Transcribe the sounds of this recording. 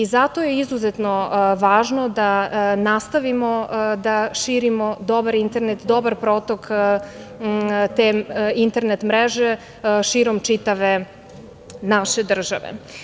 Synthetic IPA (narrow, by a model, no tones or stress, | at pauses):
izat̪ojeizuzet̪no̞ʋaːʒno̞d̪anast̪aʋimo̞d̪aʃiːɾimod̪o̞baɾint̪e̞ɾnet̪d̪o̞baɾpɾoːt̪ok | t̪eint̪eɾnet̪mɾeʒe | ʃiːɾo̞mt͡ʃit̪aʋe̞ | naʃed̪r̩ʒa̰ʋḛ